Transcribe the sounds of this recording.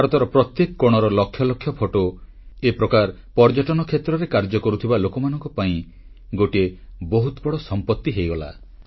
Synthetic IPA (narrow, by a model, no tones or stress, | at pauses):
aɾɔt̪ɔɾɔpɾɔt̪jekɔkoɽ̃ɔɾɔlɔkʰːjɔlɔkʰːjɔpʰɔʈo | epɾɔkaɾ | pɔɾd͡ʒɔʈɔnɔkʰet̪ɾɔɾekaɾd͡ʒɔkɔɾut̪ʰibalokɔmanɔ̃ŋkɔpaĩ | ɡoʈiebɔɦut̪bɔɽɔsɔmpɔt̪ːiɦejɡɔla̰